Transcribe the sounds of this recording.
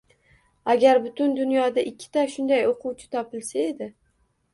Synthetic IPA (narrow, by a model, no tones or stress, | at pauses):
aɡʲaɾbʊt̪ʰʊnd̪ʊnjɒd̪aʔɪkʲʰːɪ̥t̪ʰaʃʊnd̪ajoqʰʊwt͡ʃʰɪ̥t̪ʰɒpɪlsae̞d̪ɪ